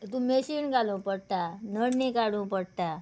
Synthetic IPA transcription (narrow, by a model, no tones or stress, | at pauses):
t̪ũmeɕinkalũːpəɽt̪anəɽnekaɽũːpəɽt̪a